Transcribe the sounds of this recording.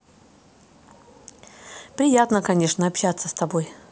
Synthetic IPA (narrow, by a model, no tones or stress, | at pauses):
pɾʲɪjat̪nəkɐnʲeʂnəɐpɕat̪sːəst̪ɐboj